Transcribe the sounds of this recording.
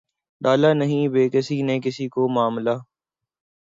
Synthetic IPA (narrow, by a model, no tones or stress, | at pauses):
ɗaːlaːnəɦĩːʋeːkɪsiːnẽːkɪsiːkoːmaːmlaː